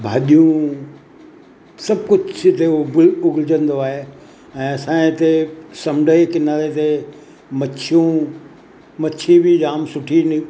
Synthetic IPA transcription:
bʱa̰ːɗijũ | sɐb̚kʊd͡ʑʱɪt̪eɡʊɡld͡ʑə̃nd̪oaːɦe | ɛ̃ːɐsãːĩt̪esɐmɖʱəekɪnaːlet̪e | mɐt͡ʃʰijũ | mɐt͡ʃʰibʱid͡ʑaːmsʊʈʰini

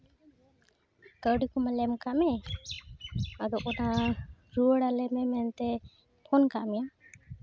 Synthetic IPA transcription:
kəwɖikɔmalɛmkaʔmɛ | ad̪ɔʔɔnaɾuəɽalɛmɛmɛnt̪ɛ | pʰɔnkaʔmɛja

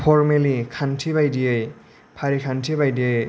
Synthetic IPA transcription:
pʰɔɾmelikʰantʰibajdijɯj | pʰaɾikʰantʰibajdiəj

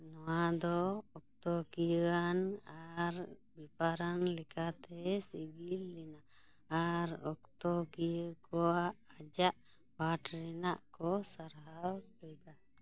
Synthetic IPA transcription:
nɔwad̪ɔɔk̚t̪ɔɡijəanaɾbipaɾanlɛkʰat̪ɛsibilːɛnaʔː | ɾɔkt̪ɔɡijəkɔaʔːd͡ʒaʔ | baʈɾɛnaʔkɔsaɾɦawkɔjd̪a

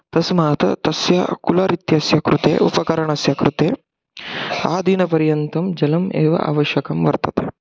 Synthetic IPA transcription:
t̪ɐsmaːt̪ɐ̰t̪ɐsjɐkulɐɾit̪jɐsjɐkɾut̪ḛːʔṵpɐkɐɾɐɳɐsjɐkɾut̪eː | aːd̪ʱinɐpɐɾjɐnt̪ɐmd͡ʒɐlɐmḛːʋɐ̰ʔa̰ːʋɐʃjɐkɐmʋɐɾt̪ɐt̪e

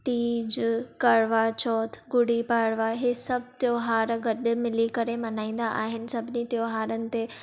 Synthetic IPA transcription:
t̪iːd͡ʑkɐɽʋat͡ɕɔːt̪ʰɡʊɽipaːɽʋaɦesɐbʱt̪joːɦaːɾɡɐɗmɪlikɐɾemɐnaːĩːn̆d̪aʔaːɦɪnɪ̆sɐbʱɪnit̪joːɦaːɾənɪ̆t̪e

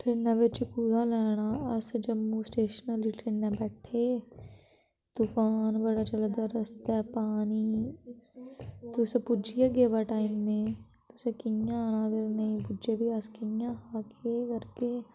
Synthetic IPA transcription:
ʈeːnːãbet͡ʃekuːzalɛːɽ̃aɐsd͡ʒɐmːusʈeːʃənəliʈɾeːnːãbɛːʈʰe | t̪ufaːnbɐɽat͡ʃɐld̪ɐɾɐst̪ɛpaːni | t̪osepʊd͡ʒijaɡeʋaʈaːɪmːẽ | t̪osekɪjãnaɡɐɾnɐĩpʊd͡ʒebʱiɐskɪjãhaːkʰekɐɾke

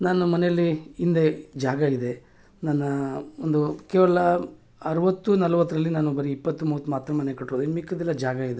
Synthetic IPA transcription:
naːnumɐnejɐlːiːnd̪e̞d͡ʒaːɡɐid̪e̞ | nɐnːɐond̪ukeːʋɐlɐ | ɐɾɐʋɐt̪ːunɐlɐʋɐt̪ːɐɾɐlːinaːnubɐɾiipːɐt̪ːumuːʋɐt̪ːumaːt̪ɾɐmɐne̞kɐʈɾoːd̪uimikːɐd̪ɛlːɐd͡ʒaːɡɐid̪e

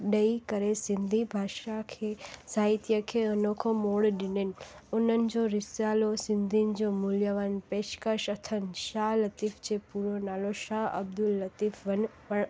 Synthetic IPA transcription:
ɗəikəɾesɪ̃nd̪ʱibʱaːʃakʰesaːit̪jəkʰeənokʰomoɽɗɪnenonən̆d͡ʒoɾɪsjaːlosɪnd̪ʱind͡ʒomuljəʋaːnpeʃkəʃət̪ʰənʃaːlət̪ift͡ʃʰepuɾonaːloʃaːə̰b̚d̪ulːət̪ifʋən | pəɳ

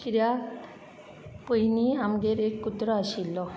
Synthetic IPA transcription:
kiɾja | pojniamɡeɾekːut̪ːɾɔaʃilːɔ

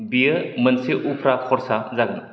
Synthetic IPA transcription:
biəmənseʔupʰɾakʰɔɾsazaɡn

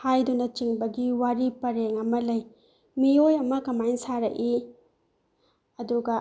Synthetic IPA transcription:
hajdunɐt͡ʃiŋbɐɡiwaɾipɐɾeŋɐmɐlɐj | miojɐmɐkɐmajnsaɾɐ̰ʔi | ɐduɡɐ

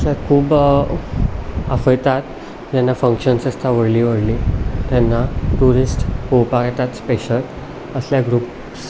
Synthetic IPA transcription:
əsakʰuːb | əfəjt̪at̪ | d͡ʑanːafəŋkɕənsəst̪ʰaʋəɽliːʋəɽlit̪janːaʈuɾisʈkowpaket̪at̪speɕət̪ | əsljaɡɾup | s

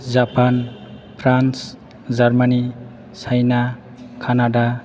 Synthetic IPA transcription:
d͡zapanpʰrans | d͡zarmani | t͡sʰajna | kʰanaɖa

